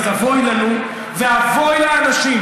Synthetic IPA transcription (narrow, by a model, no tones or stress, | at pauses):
avojlanu | veavojleanaʃim